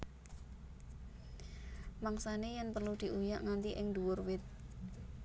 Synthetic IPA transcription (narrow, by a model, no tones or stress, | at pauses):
maŋsanejanpərlud̪̥i̤ʔujaʔŋant̪iʔɪŋd̪uwʊrwɪt̪̚